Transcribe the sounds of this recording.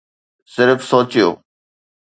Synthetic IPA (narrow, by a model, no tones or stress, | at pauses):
sɪɾfsoːt͡ɕijo̰ː